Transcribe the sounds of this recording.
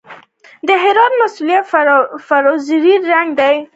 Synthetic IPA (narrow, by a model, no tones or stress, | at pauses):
d̪əɦɪɾɑt̪̚masulijat̪faɾɑziɾiɾaŋɡd̪aj